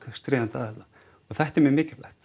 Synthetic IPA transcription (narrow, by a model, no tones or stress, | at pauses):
kast̪ɾeːðant̪aːðɛla | ɔɣθɛht̪ɛɾmɛmɪːcɪla̰ht̪